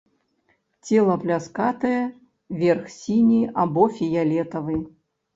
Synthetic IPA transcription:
t͡sʲɛlˠɐplʲaskat̪ɐjɛ | vʲɛrxsʲinʲiʔabɔfʲijalʲɛt̪ɐvɨ

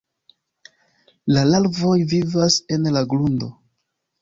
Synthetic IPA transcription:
lalalvo̞jvivase̞nlaɡlundo̞̰

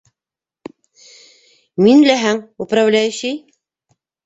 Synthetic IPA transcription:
minlʲæɦæŋupɾavlʲæjɘɕɘj

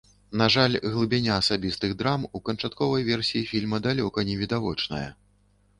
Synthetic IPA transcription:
naʐalʲɣlˠɨbʲanʲaːsabʲist̪ɨɣd̪ɾamukɐnt͡ʂat̪kɔvɐjvʲɛrsʲijifʲilʲmɐd̪alʲɔkɐnʲɛvʲid̪avɔt͡ʂnɐ̰jɐ̰

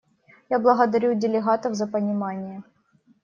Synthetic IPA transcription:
jablˠəɣəd̪ɐɾʲudʲɪlʲɪɣat̪əvzɐpənʲɪmanʲɪjə

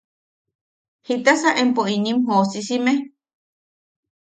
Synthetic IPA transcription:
hit̪asaʔempoinĩmɦosisime

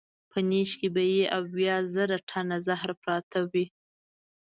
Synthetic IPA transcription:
pʰəneʃkebajeʔawjɑzəɾaʈʰanazahɾpɾɑt̪ʰawi

